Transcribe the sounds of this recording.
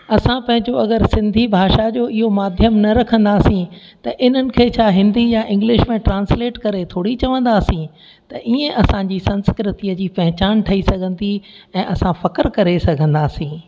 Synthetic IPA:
ɐsãpɐ̃ɦɪ̃ɲd͡ʑoɐɡəɾsɪ̃nd̪ʱibʱaːʃad͡ʑoːɪɦomaːd̪ʱjəmnɐɾɐkʰə̃nd̪aːsĩt̪ɐʔɪn̤ənɪ̆kʰeːt͡ɕʰaːɦɪ̃nd̪ijaʔɪ̃ŋɡlɪʃmẽʈɾãːnsleːʈkɐɾet̪ʰoːɽit͡ɕɐʋə̃nd̪aːsĩ | t̪ɐʔiẽʔɐsãd͡ʑiːsɐ̃nskɾɪt̪iəd͡ʑiːpɐɦɪt͡ɕaːnʈʰɐisɐɡʱə̃nd̪iɛ̃ːʔɐsãfɐkəɾkɐɾesɐɡʱə̃nd̪aːsĩː

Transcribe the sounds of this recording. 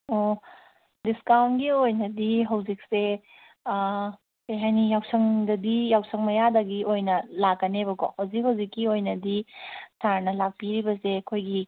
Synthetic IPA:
o | diskawnɡiojnɐdiɦawzik̚se | eɦajnijawsɐŋdɐdijawsʰɐŋmɐjadɐɡiʔojnɐlakːɐnebɐko̰hawzik̚hawzikːiojnɐdisaɾnɐlak̚piɾibɐsekʰojɡi

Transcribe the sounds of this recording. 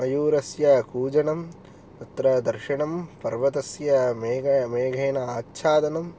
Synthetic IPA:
ɐjuːɾɐsjɐkuːd͡ʒɐɳɐm | t̪ɐt̪ɾɐd̪ɐɾʃiɳɐmpɐɾʋɐt̪ɐsjɐmeːɡɐmeːɡʱeːnɐaːtːʃʰaːd̪ɐnɐm

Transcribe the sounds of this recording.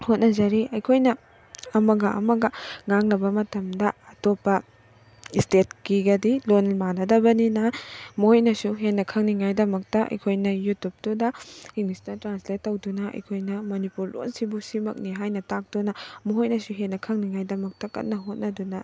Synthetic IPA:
hot̚nɐzɐɾiɐjkʰojnɐ | ɐmɐɡɐʔɐ̰mɐɡɐŋaŋlɐbɐmɐtɐmdɐːtopːɐ | istet̚kiɡɐdilonlmanɐdɐbɐninɐmɔojnɐsuɦenːɐkʰɐŋniŋajdɐmɐk̚tɐʔɐ̰jkʰojnɐjutup̚tudɐiŋmistɐtɾansletːɐwdunɐʔɐ̰jkʰojnɐmɐnipuɾlo̰nsibusimɐ̰k̚niɦajnɐtak̚d̥unɐmɔɦojnɐsuɦenːɐkʰɐŋniŋajdɐmɐk̚tɐkɐ̰t̚nːɐɦot̚nɐdunɐ

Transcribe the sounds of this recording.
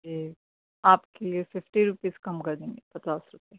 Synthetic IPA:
ke | aːpkeliefɪfʈiɾʊpiːz̥kɐmkɐɾd̪ẽːŋɡepɐt͡ʃaːsɾʊpɛe

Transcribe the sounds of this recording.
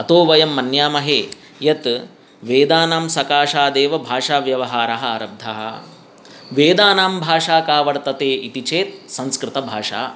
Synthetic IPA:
ɐt̪oːʋɐjɐmːɐnjaːmɐɦeː | jɐt̪ | ʋeːd̪aːnaːmsɐkaːʃaːd̪eːʋɐbʱaːʂaːʋjɐʋɐɦaːɾɐɦɐ̆ɐɾɐb̚d̪ʱɐɦɐ̰ | ʋeːd̪aːnaːmbʱaːʂaːkaːʋɐɽt̪ɐt̪eːit̪it͡ʃeːt̪̚sɐ̃nskɾɪt̪ɐbʱaːʂa̰ː

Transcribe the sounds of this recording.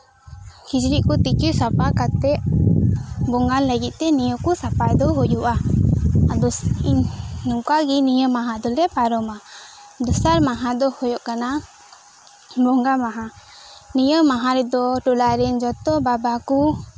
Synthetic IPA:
kid͡ʒɾiʔkut̪ikisapakat̪ɛʔ | bɔŋɡanləɡit̪̚ˀt̪ɛnijəkusapajd̪ɔɦɔjɔʔa | ad̪ɔiɲnɔŋkaɡinijəmaɦãd̪ɔlɛpaɾɔma | d̪ɔsaɾmaɦãd̪ɔhɔjɔʔkana | bɔŋɡamaɦa | nijəmaɦãɾɛd̪ɔʈɔlaɾɛnd͡ʒɔt̪ɔbabaku

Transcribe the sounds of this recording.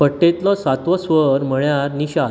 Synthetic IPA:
pəʈːet̪lɔsat̪ʋəsʋəɾm̤əɭjaɾniɕa

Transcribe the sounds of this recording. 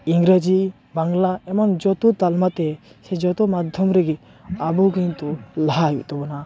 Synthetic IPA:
iŋɡɾad͡ʒi | baŋlaɛmand͡ʒɔt̪ɔt̪almat̪ɛsed͡ʒɔt̪ɔmad̪ʱjɔmɾeɡi | abɔɡiŋt̪ɔlaɦajḭt̪ɔbɔna

